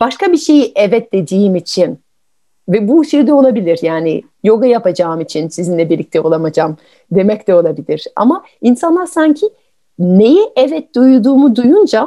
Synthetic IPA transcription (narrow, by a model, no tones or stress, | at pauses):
b̥aʃkabiʃe̞jiʔɛvɛt̪̚d̪e̞d̪iːmit͡ʃʰin | vɛbuʃejid̪ɛo̞lˠabilʲiɾjaːnḭ | jo̞ɡajapad͡ʒaːɯmit͡ʃʰinsizinlʲɛbiɾlʲic̚t̪ʰɛo̞lˠamad͡ʒam | d̪e̞mɛct̪ɛo̞lˠabilʲiɾ̥a̰ma | insanlˠaɾsaɲcʰi | ne̞jɛʔɛvɛt̪̚d̪ujud̪uːmud̪ujund͡ʒa